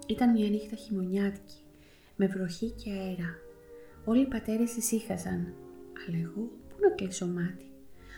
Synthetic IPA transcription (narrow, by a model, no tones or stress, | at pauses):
it̪ɐnmɲɐːnixt̪ɐçimo̞ɲɐt̪i̥ci̥ | me̞vɾo̞çiceɐeɾɐ | o̞liːpɐt̪e̞ɾest̪isixɐzɐnɐleɣopunɐkliso̞mɐt̪i̥